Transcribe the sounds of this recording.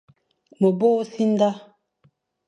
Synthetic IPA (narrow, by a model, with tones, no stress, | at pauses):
mə˨bo˦si˦n˦da˦